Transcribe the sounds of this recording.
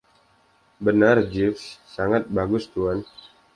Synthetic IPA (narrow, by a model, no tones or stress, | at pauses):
bənard͡ʒifsːaŋat̪̚baɡʊst̪uan